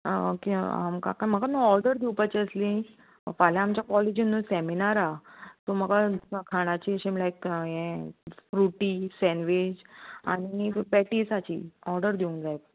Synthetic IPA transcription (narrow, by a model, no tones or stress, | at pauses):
kia̰mka̰kam̤əɡamiɔɾɖəɾd̪ʱiwpət͡ɕeəslĩ | faljãːmt͡ɕjakɔled͡ʑinːusɛminaɾat̪om̤əɡakʰaɽ̃at͡ɕiɕemlajkɦẽfɾuʈisɛ̃nʋed͡ʑa̰ɽ̃ipɛʈisat͡ɕḭɔɾɖəɾd̪ʱiũŋd͡zajt̪̚